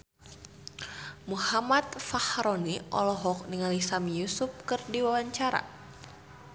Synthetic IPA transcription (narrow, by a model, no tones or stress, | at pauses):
muhamat̪̚fahɾɔniʔɔ̰lɔɦɔk̚niŋalisamijusup̚kɨrdiwawaɲt͡ʃaɾa̰